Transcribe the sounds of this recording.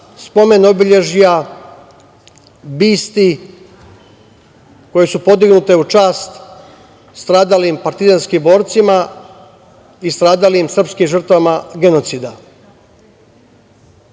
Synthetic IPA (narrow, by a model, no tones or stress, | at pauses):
spo̞me̞no̞biʎe̞ʒija | biːst̪i | ko̞jesupo̞d̪iɡnut̪e̞ut͡ʃaːst̪ | st̪ɾaːd̪alimpaɾt̪izanskimbo̞ːɾt̪sima | ist̪ɾaːd̪alimsr̩pskimʒər̩t̪vamaɡe̞no̞t̪sid̪a